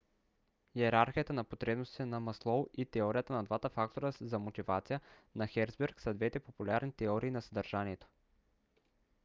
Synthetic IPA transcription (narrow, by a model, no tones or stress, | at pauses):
jɛɾaɾxʲijət̪ənɐpot̪ɾɛbnost̪i̥t̪ɛnɐmɐslˠɔlˠit̪ɛɔɾijət̪ənɐd̪vat̪əfak̚t̪oɾəzɐmot̪ivat̪sijənɐxɛɾzbɛɾksɐd̪vɛt̪ɛpopulʲaɾnit̪ɛɔɾiːnɐsɐd̪ɐɾʒaniɛt̪o̥